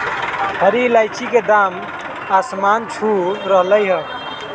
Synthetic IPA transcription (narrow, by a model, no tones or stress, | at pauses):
həɾilajt͡ʃiked̪am | asmant͡ʃʰuɾəɦləjɦə